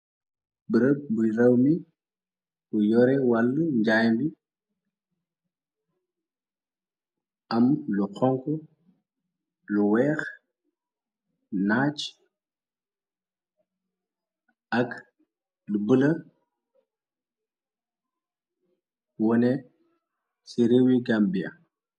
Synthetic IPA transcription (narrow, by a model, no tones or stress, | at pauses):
bəɾəb̚buɾɐwmi | bujɔɾɛwɐlɲd͡ʒajmbi | ɐmluqɔŋku | luwɛːx | naːt͡ʃ | ɐk | lubələ | wɔnɛ | siɾewiɡambia̰